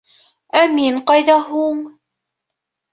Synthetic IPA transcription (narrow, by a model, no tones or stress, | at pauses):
ʔamiːnqɑjðaɦuŋ